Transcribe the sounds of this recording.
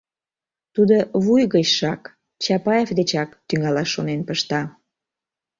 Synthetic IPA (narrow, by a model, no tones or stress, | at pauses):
t̪ud̪oβujɣət͡ɕʃɑk | t͡ɕɑpɑjefd̪et͡ɕɑkt̪yŋɑlɑʃːonenpəʃt̪ɑ